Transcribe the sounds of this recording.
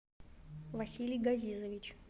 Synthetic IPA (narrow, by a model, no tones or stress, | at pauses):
vɐsʲilʲɪjɡɐzʲizəvʲit͡ɕ